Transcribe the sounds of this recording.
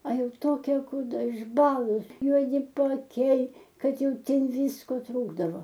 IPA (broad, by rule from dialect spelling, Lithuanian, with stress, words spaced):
ɐ ˈjɛʊ ˈtoːkʲɛ kuːˈdɐ ɪʒˈbɑːlˠʊs juɔˈdʲɪ pɐɐˈkʲɛɪ ˈkɐt ˈjɛʊ ˈtʲɛn ˈʋʲiːskoː ˈtruːɡdɐʋoː